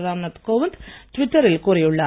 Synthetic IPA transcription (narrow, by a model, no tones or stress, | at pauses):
raːmnɐt̪koːʋɐnt̪tʋitːɐrilkurejuɭːɐ